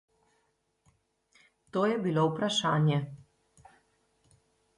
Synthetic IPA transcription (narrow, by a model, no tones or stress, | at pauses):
t̪oːjɛbilowpɾaʃaːnjɛ